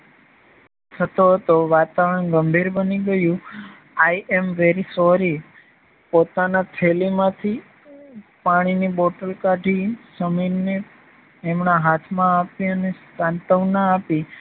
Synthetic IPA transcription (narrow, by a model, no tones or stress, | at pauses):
t̪ʰət̪oɦət̪oʋat̪aʋəɾəɳɡəmbʱiɾbəniɡəjũ | ajɛmʋeɾisɔɾi | pot̪anat̪ʰelimãt̪ʰi | paɽ̃iniboʈəlkaɖʱisəməneː | mnaɦat̪ʰmãapiənest̪ãnt̪əʋnaːpi